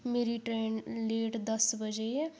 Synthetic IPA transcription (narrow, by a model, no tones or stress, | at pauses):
meːɾiːʈɾɛːnleːʈd̪əsbəd͡ʒeɛː